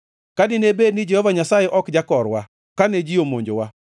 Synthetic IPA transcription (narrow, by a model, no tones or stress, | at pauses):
kadɪnebednɪd͡ʒɛhɔvaɲasajeʔɔkd͡ʒakɔɾwa | kaned͡ʒiomoɲd͡ʒowa